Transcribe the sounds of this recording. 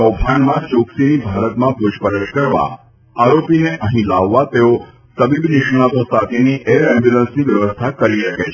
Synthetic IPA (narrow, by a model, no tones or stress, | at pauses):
ɔpʰanmãt͡ʃoksinibʱaɾət̪mãpʊʃpəɾət͡ʃkəɾʋa̰ | aɾopineʔəɦĩlaʋːat̪eo | t̪əbibnɪʃɽ̃ãt̪õsat̪ʰeniʔeɾɛ̃mbjulənsniʋjəʋəst̪ʰakəɾiʃəket͡ʃʰ